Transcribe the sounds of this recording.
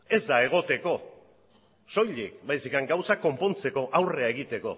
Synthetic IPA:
e̞zd̪ae̞ɣ̞o̞t̪e̞ko̞ | so̞jʎikbajsikaŋɡawsako̞mpo̞nt͡se̞ko̞ʔawre̞aeɣ̞it̪e̞ko̞̰

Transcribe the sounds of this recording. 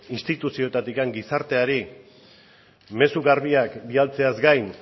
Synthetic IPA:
inst̪it̪usio̞t̪at̪ikaŋɡisaɾt̪e̞aɾi | me̞suɣaɾβiakbialt͡se̞azɡajn

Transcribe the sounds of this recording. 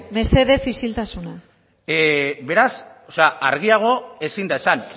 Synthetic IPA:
me̞se̞ðe̞sisilt̪asuna | be̞ɾasoseaʔaɾɣ̞iaɣ̞o̞e̞sind̪aesan

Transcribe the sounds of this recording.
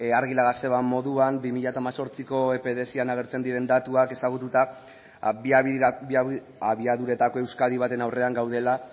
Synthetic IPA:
aɾɣilaɣase̞βamo̞ðuambimiʎat̪aːmaso̞ɾt͡siko̞e̞pe̞ðe̞sianaɣ̞e̞ɾt͡se̞nd̪iɾe̞nd̪at̪uake̞saɣut̪ut̪a | aβiaðuɾe̞t̪ako̞e̞wskaðiβ̞at̪e̞nawre̞aŋɡawð̞e̞la

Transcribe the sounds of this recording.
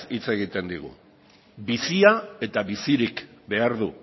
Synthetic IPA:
it͡se̞ɣit̪e̞nd̪iɣ̞ṵ | bisiae̞t̪aβisiɾikbe̞aɾðu

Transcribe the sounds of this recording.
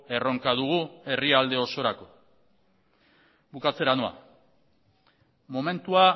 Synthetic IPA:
e̞ro̞ŋkaðuɣue̞riald̪e̞o̞so̞ɾako̞ | bukat͡se̞ɾanoa̰ | mo̞me̞nt̪ua

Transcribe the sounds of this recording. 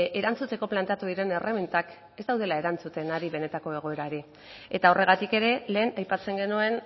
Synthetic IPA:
ʔe̞ɾant͡sut͡s̪e̞ko̞plant̪eat̪uðiɾe̞ne̞remint̪ak | e̞zd̪awðe̞lae̞ɾant͡sut̪e̞naɾiβe̞ne̞t̪ako̞e̞ɣ̞o̞eɾaeɾe | e̞t̪ao̞re̞ɣ̞at̪ike̞ɾe̞le̞ːnajpat͡se̞ŋɡe̞nue̞n

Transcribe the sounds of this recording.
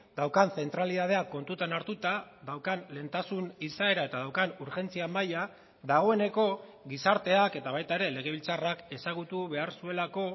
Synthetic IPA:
d̪̥awkanθe̞nt̪ɾaliðað̞e̞akːo̞nt̪ut̪anaɾt̪ut̪aðawkanle̞nt̪asunisae̞ɾae̞t̪aðawkanuɾxe̞nt͡siamaja | ðaɣ̞o̞e̞ne̞ko̞ | ɣisaɾt̪e̞ake̞t̪aβ̞ajt̪aeɾe̞le̞ɣ̞e̞βilt͡sarake̞saɣ̞ut̪uβe̞aɾsue̞lako̞

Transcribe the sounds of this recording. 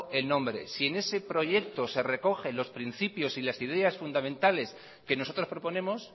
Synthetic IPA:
e̞lnõ̞mbɾe̞̰sie̞ne̞se̞pɾo̞ʝe̞k̚t̪o̞se̞re̞ko̞xe̞lo̞spɾin̟θipjo̞silasiðe̞asfund̪amẽnt̪ale̞s | ke̞no̞so̞t̪ɾo̞spɾo̞po̞nẽ̞mo̞s

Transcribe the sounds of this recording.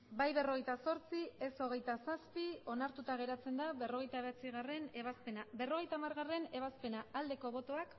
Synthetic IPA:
bajβe̞ro̞ɣe̞jt̪aso̞ɾt͡sie̞so̞ɣ̞e̞jt̪asaspio̞naɾt̪ut̪aɣ̞e̞ɾat͡se̞nd̪aβe̞ro̞ɣ̞e̞jt̪aβat͡siɣareneβaspenabe̞ro̞ɣ̞e̞jt̪aːmaɾɣare̞ne̞β̞aspe̞naːld̪e̞ko̞βo̞t̪o̞ak

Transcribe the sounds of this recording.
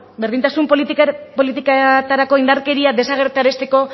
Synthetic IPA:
beɾð̞int̪asumppolit̪ikat̪aɾako̞ind̪aɾke̞ɾiad̪e̞saɣ̞e̞ɾt̪aɾe̞st̪e̞ko̞

